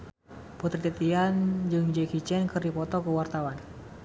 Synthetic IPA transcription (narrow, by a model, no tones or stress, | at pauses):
put̪ɾit̪ɛt̪iand͡ʒɨŋd͡ʒɛkit͡ʃɛnkɨrdipɔt̪ɔkəwart̪awan